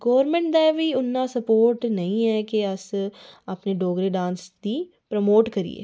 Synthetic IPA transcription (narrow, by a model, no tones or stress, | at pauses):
ɡɔːʋəɾmɛ̃ɳʈd̪aʋiːʊnːãsəpoːɾʈnɐĩɛːkeəsapneɖoːɡɾeɖãːnsd̪iː | pɾəmoːʈkəɾḭḛː